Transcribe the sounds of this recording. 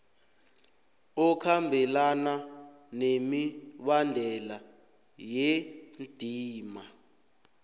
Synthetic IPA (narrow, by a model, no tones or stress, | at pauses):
ɔkʰambʱɛlana | nemiɓandʱɛla | jend̥ʱiːma